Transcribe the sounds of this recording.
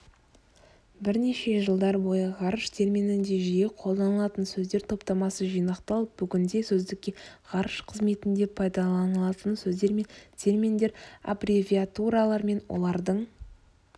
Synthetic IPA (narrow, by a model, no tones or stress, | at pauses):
bɪɾne̞ʃe̞ʒəlˠd̪ɑɾbo̞jəʁɑɾəʃt̪ʰe̞ɾmʲinɪnd̪e̞ʒije̞qʰo̞lˠd̪ɑnəlˠɑt̪ənsɵzd̪e̞ɾt̪ʰo̞pt̪ɑmɑsəʒijnɑqt̪ɑlˠəp̚b̥ʏɡʲɪnd̪e̞sɵzd̪ɪkʲːe̞ʁ̥ɑɾəʃqʰəzme̞t̪ɪnd̪e̞pʰɑjd̪ɑlˠɑnəlˠɑt̪ənsɵzd̪e̞ɾme̞nt̪ʰe̞rmʲind̪e̞ɾa̰brivʲiat̪uɾalˠɑɾme̞nwʔo̞̰lˠɑɾd̪əɴ